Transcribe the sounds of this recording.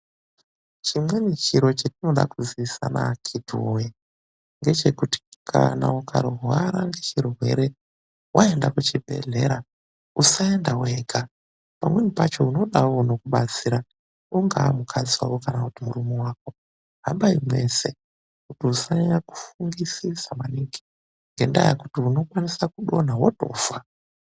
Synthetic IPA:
t͡ʃimwenit͡ʃiɾo̞t͡ʃatino̞ɗa̰kuziisa̰na̰kʰidʱuwoji | ŋɡe̞t͡ʃe̞kuti̥kʰa̰nauka̰ɾuɦwaɾaŋɡe̞t͡ʃirwe̞̰ɾe̞ | wʔae̞ndakut͡ʃibʱe̞̰ɮe̞̰ɾa | usaendaweɡʱa | pamwe̞mupat͡ʃo̞uno̞ɗawo̞no̞kuɓat͡siɾa | uŋɡaːmukʰad͡ziwa̰kokanakutimurumiwaːko̞ | ɦambaimwe̞se̞ | kutiusaɲaku̥fuŋɡisisamaniŋɡi̥ | ŋɡe̞ndajakutiuno̞kwanisakuɗo̞nawoto̞̰ːfa

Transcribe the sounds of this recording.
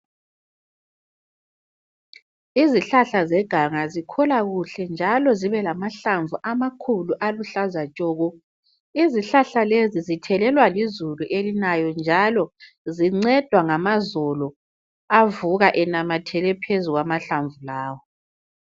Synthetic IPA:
iziɬaɬazɛɡ̥ʱaŋazikʰɔlaɣuɬɛnd͡ʒʱalɔziβɛlamaɬaɱvuʔamakʰuluʔaluɬazat͡ʃʼɔːɣɔ | iziɬaɬalezizitʰɛlɛlwalizuluʔelinajɔnd͡ʒʱalɔ | ziŋ͡ǀɛd̥ʱwaŋamazɔlɔ | avuɣaʔɛnamatʰɛlɛpʰezuɣwamaɬaɱvulaːwɔ

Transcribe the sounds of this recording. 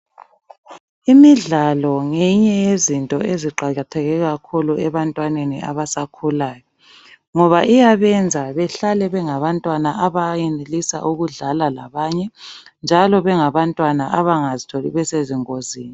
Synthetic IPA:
imiɮalɔŋeɲɛjezintʼɔeziǃaɣatʰɛɣɛɣakʰuluɛβantʼwanenḭʔa̰βasakʰulaːjɔ | ŋɔβaʔijaβɛnd͡zʱaβɛɬalɛβɛŋaβantʼwanaʔaβajinilisa̰ʔuɣuɮalalaβaːɲɛnd͡ʒʱalɔβɛŋaβantʼwanaʔaβaŋazitʰolḭβɛseziŋoziːni

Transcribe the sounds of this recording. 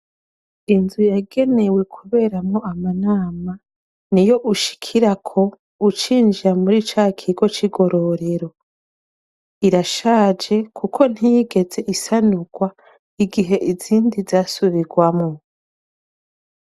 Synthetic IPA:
inzujaɡe̞ne̞we̞kʰuβe̞ːɾamŋo̞amanaːma | nijo̞ʔuʃi̥kʰiɾakʰo̞ | ut͡ʃiːnd͡ʒiɾamuɾit͡ʃaːkʰiɡo̞t͡ʃiɡo̞ɾo̞ɾe̞ɾo̞ | iɾaʃaːd͡ʒe̞kʰukʰo̞n̥hijiɡe̞ze̞ʔisanuɡ̥wa | iɡiɦe̞ʔiziːndizaːsuβiɡwamŋo

